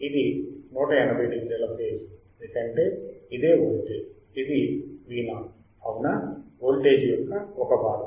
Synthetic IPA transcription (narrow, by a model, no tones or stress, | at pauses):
id̪inuːʈɐɛnɐbɐjʈiklɛlɐpʈeːd͡ʒend̪ukɐɳʈe̞ːid̪eːʋoːlʈed͡ʒ | id̪iʋiːnɐ | ɐʋunɐʋoːlʈe̞ːd͡ʒijɔkːɐɔkɐbaːɾɐ